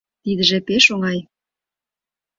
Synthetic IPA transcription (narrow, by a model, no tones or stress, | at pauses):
t̪id̪ə̆ʒĕpeʃoŋɑj